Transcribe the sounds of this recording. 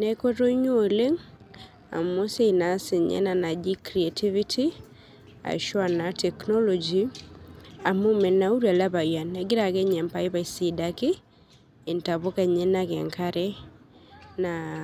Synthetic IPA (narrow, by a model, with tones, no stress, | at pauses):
nɛko˦to˦ɲo˨le˦ŋ | a̰˨mo˦se˦ina˨si˨ɲɛ̰˦na˨na˨d͡ʒi˦kɾi˨etʰi˦vitʰi˦ | a̰˨ʃwa˨natʰɛknɔlɔd͡ʒi | a˨momɛ˨na˨u˦ɾa˨laβa˨ja˨nɛɡi˦ɾa˨kɛ˦ɲɛ˨mpa˦i˦βa˨isidake | e˨ntaβokɛ˨ɲɛ˦nakɛ̰ŋkʰaɾɛ | na